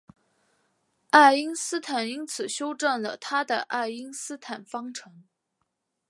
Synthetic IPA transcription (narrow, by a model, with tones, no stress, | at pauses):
a˥˩ɪi˥ŋsɹ̩˥t̪ʰa˨˩ni˥nt͡sʰɹ̩˨˩ɕjo˥ʊʈ͡ʂə˥˩nlə˩t̪ʰa˥d̪ə˨˩ʔa˥˩ɪi˥ŋsɹ̩˥t̪ʰa˨˩nfɑ˥ŋʈ͡ʂʰɤ˧˥ŋ